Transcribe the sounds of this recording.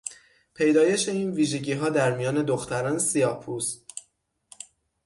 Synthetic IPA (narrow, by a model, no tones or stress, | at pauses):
pʰe̞jd̪ɒːje̞ʃe̞iːnviːʒe̞ɟiːɦɒːd̪æɾmijɒːne̞d̪oxt̪ʰæɾɒːnesijɒpʰuːs